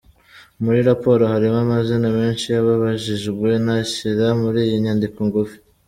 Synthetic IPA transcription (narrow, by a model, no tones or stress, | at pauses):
muɾiɾapo̞ːɾohaɾimamazinameːnʃijaβaβaʒiʒɡwe̞naɕiɾamuɾiːjiɲaːndikoŋɡufi̥